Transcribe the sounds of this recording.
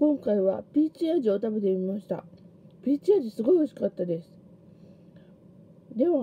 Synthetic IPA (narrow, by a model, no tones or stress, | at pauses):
kõ̞ŋkaiβ̞apʲiːt͡ɕiaʑio̞t̪abe̞t̪̬emʲimaɕi̥t̪a̰pʲiːt͡ɕiaʑisɨɡo̞ioɕi̥kat̪ːad̪e̞sɨ̥ | d̪e̞βa